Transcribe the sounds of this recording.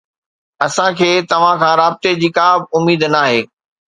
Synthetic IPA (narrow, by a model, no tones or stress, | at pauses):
ɐsãkʰeːt̪ɐʋ̤ãkʰãːɾaːbɪt̪ed͡ʑiːkaːbʊmiːd̪naːɦeː